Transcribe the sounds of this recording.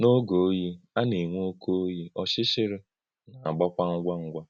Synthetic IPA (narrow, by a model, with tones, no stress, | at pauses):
no˦ɡo˨o˦ji˦a˦ne˨ŋʷo˦o˦ko˦o˦ji˦ɔ˦ʃɪ˦ʃɪ˦ɾɪ˦ | na˨a˨ɡ͡ba˦kʷa˦ŋ̩˦ɡʷa˦ŋ̩˦ɡʷa˦